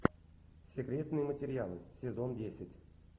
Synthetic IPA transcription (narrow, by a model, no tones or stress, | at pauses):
sʲekrʲet̪nɨjmətʲɪrʲɪalˠɨsʲezondʲesʲɪtʲ